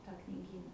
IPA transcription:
ˈtɑː knʲɪˈɡʲiːnɐ

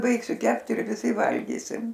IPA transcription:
ˈbɐɪksʲʊ ˈkʲɛpt ɪr ʋʲɪˈsʲɪ ˈʋɐlʲɡʲiːsʲɪm

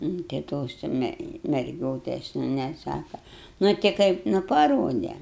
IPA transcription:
nʊ tɐɪ ˈtoːs jɛʊ ˈmʲɛ mʲɛrʲˈɡʲoːtʲɛs jɛʊ nʲɛˈsɑːkɐ nʊ tʲɪ ˈkɐɪp nʊ pɐˈroːdʲɛ

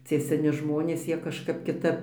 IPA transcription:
ˈt͡sʲiɛ sʲɛˈnʲɪ ˈʒmoːnʲeːs ˈjiɛ kɐʃˈkɐp kʲɪˈtɐp

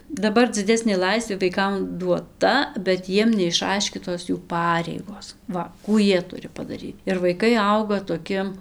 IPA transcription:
dɐˈbɐr d͡zʲɪˈdʲæːsʲnʲeː ˈlˠɐɪsʲʋʲeː ʋɐɪˈkɐm duɔˈtɐ bʲɛt ˈjiɛm nʲɛɪʃˈɐɪʃʲkʲiːtoːs juː ˈpɑːrʲɛɪɡoːs ˈʋɐ ˈkuː ˈjiɛ ˈtʊrʲɪ pɐdɐˈrʲiːt ɪr ʋɐɪˈkɐɪ ˈɐʊɡɐ toːˈkʲɪ

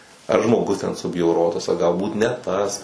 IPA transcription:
ɐr ʒmoːˈɡʊs tʲɛn sʊbʲjɛʊˈroːtɐs ɐ ɡɐlˠˈbuːt nʲɛ ˈtɐs

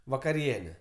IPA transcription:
ʋɐkɐˈrʲiɛnʲɛ

